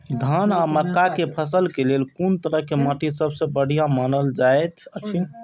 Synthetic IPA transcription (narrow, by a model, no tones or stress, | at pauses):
d̪ʱanaməkːakepʰəsəlkelelkont̪əɾəɦkemaʈisəbʱsə̃bəɽ̤ijamanəld͡ʒaejt̪ʰət͡ʃʰin